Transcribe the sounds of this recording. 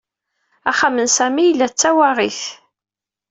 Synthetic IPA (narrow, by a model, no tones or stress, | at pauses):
a̰χamənsæmijlːæt͡sːæwaʁiθ